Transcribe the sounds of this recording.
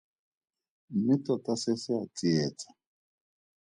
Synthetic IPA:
mɪtɔtasɛsɪat͡sʼiɛːt͡sḁ

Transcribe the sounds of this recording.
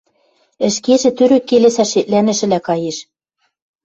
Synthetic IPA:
ɘ̆ʃkeʒĕt̪yɾø̆kːelesæʃet̪̚lænɘ̆ʃɘ̆lækɑjeʃ

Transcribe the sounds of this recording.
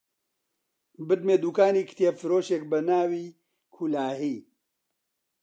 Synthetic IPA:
bɨt̪̚meːd̪uːkaːniːkʰt̪ijefɨɾoːʃeːk̚bɐnaːwiː | kʰulaːhiː

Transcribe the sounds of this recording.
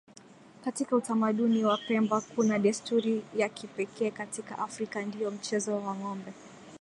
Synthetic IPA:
katikautamaɗuniwapɛmbakunaɗɛstuɾijakipɛkʰɛːkatika̰ʔafɾikandiɔm̩t͡ʃɛzɔwaŋɔmbɛ

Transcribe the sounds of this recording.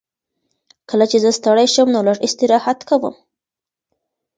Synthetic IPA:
kəlat͡ʃezəst̪aɽajʃəmnolaʐɪst̪ɪɾɑhat̪kawə̰m

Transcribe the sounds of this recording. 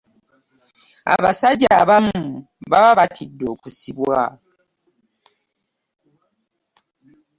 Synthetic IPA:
a̰βasaɟaːβamu | βaβaβatʰidːoːkusiβwa

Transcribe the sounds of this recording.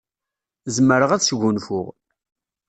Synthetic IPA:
zmːəɾəʁæðsʝʷunfʊʁ

